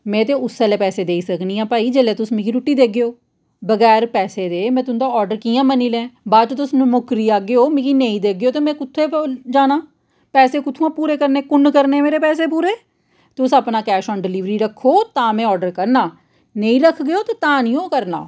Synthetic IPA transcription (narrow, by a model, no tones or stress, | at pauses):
mɛ̃ːt̪eːʊsɛːleːpɛːseːd̪eːiːsəkniːjãːpaːiːd͡ʒeːleːt̪ʊsmĩːkiːɾuʈːiːd̪eːɡeoː | bəɡɛːɾpɛːseːd̪eːmɛ̃ːt̪ʊnd̪aːɔːɾɖəɾkiːãːməniːlɛ̃ːbaːd̪t͡ʃːt̪ʊsnũːmʊkɾiːaːɡeoːmiːkiːneĩːd̪eːɡɪjoːt̪eːmɛ̃ːkʊt̪ʰːeːd͡ʒaːnaː | pɛːseːkʊt̪ʰːuãːpuːɾeːkəɾneːkʊnkəɾneːmeːɾeːpɛːseːpuːɾeː | t̪ʊsəːpnaːkɛːʃɔ̃ːnɖɪliːʋɾiːɾəkʰːoːt̪ãːmɛ̃ːɔːɖəɾkəɾnaː | nəĩːɾəkʰɡejoːt̪eːt̪ãːnijõːkəɾna̰ː